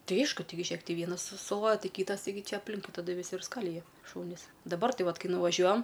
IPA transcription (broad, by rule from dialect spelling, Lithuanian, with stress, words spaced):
ˈtɐɪ ˈɐɪʃkʊ ˈtɐɪɡʲɪ ˈʒʲeːk ˈtʲɪ ˈʋʲiɛnɐs sʊ sʊˈlˠoːjɛ ˈtɐɪ ˈkʲiːtɐs tɐɪˈɡʲɪ ˈt͡ʃʲɛ ɐpʲˈlʲɪŋkʊɪ tɐˈdʊ ʋʲɪˈsʲɪ ɪr ˈskɑːlʲɪjɛ ˈʃuːnʲɪs dɐˈbɐr ˈtɐɪ ˈʋɐt ˈkɐɪ nʊʋɐˈʒʲuɔjɛm